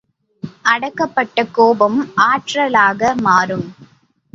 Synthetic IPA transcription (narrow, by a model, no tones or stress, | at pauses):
ʔɐɽɐkːɐpːɐʈːɐkːoːbɐmʔaːʈrɐlaːɣɐmaːɾɯm